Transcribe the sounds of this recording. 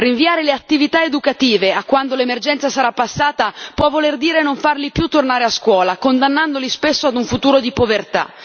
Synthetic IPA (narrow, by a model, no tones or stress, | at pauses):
riɱviaːɾeleat̪ːivit̪aed̪ukat̪iːveakːwand̪olemerd͡ʒɛnt̪sasaɾapːasːaːt̪apwɔvːolerd̪iːɾenoɱfarlipjut̪ːornaːɾeaskwɔːlakond̪anːand̪olispesːoad̪uɱfut̪uːɾod̪ipovert̪a̰